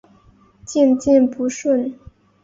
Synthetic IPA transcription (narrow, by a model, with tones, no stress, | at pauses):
t͡ɕi˥˩˧nt͡ɕi˥˩npu˧˥ʂwə˥˩n